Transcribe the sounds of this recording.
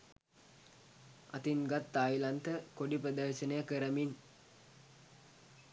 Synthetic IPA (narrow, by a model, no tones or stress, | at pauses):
a̰t̪iŋɡat̪ːaːjlant̪əkoɖipɾəd̪əɾʃənəjəkəɾəmiŋ